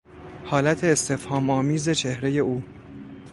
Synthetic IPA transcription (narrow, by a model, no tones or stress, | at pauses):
hɒːlæt̪ʰe̞ːst̪ʰe̞fhɒːmɒːmiːze̞t͡ʃʰe̞hɾe̞je̞uː